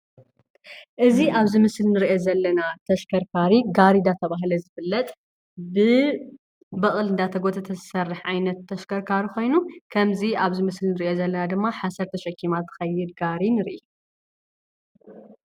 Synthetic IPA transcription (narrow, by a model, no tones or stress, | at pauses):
ʔɨziaβzɨmɨslnɨɾiʔozɐlːɐnat̪ʰɐʃkʰɐɾkʰaɾiɡaɾid̪at̪ʰɐβaɦlɐzɨβɨlːɐt̪ʼ | bɨ | bɐχʼɨlɨnd̪at̪ʰɐɡot̪ʰɐt̪ʰɐ̥sɐrːɨħʕajnɐt̪ʰːɐʃkʰɐɾkʰaɾiko̞jnukʰɐmziaβzɨmɨslnɨɾiʔozɐlːɐnad̪ɨmːaħasɐɾt̪ʰɐʃɐkʰːimat̪ːɨ̥xɐjːɪd̪ɡaɾinɨɾʔi